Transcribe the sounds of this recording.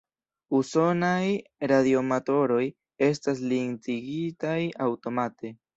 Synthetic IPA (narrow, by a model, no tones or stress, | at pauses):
uso̞najɾadio̞mato̞ɾo̞j | e̞s̬tas̬liŋt͡siɡitajawto̞mate̞